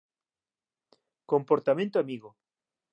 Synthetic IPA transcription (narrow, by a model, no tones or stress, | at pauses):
kompoɾt̪amẽnt̪oamiɣo